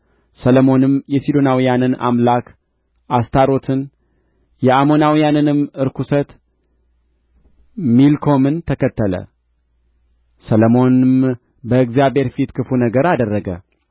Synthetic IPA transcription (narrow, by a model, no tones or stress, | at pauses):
sələmo̞nɨmjɛsid̪o̞nawijanɨna̰mlak | ʔast̪ʰaɾo̞t̪ʰɨn | jɛamo̞nawijanɨnɨmɨɾkʰusət̪ | milkʰo̞mɨnt̪ʰəkət̪ʰːələ̰ | sələmo̞nɨm | bəɨkzijabhe̞ɾfit̪kʰɨfunəɡəɾad̪ərːəɡə̰